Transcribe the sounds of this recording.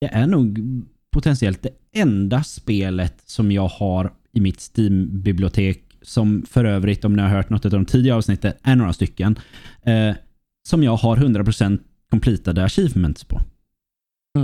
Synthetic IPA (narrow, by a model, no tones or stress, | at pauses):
d̪̥ɛʔæɳuːɡ | pʰʊt̪ʰɛnsɪɛlt̪̚d̪ɛ | ɛnd̪aspeːlət̪sɔmjɑːɡhaɾ | ɪmɪt̪st̪iːmbɪblɪʊt̪ʰeːk | sɔmfœɾøːvɾɪt̪ɔmnɪhaɾɦœːʈnɔt̪ːʉt̪avd̪ɔmt̪ʰiːd̪ɪɡaɑːvsnɪt̪ːət̪ʔæɳoːɾast̪ʏkːən | sɔmjɑːɡhaɾɦɵnd̪ɾapɾʊsɛnt̪ | kʰɔmpʰliːt̪ad̪əaɕiːvmɛnt̪spʰɔ̰